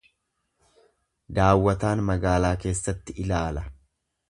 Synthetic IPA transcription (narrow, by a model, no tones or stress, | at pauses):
d̪aːwːɐt̪aːnmɐɡaːlaːke̞ːsːɐt̪ːɪɪlaːlɐ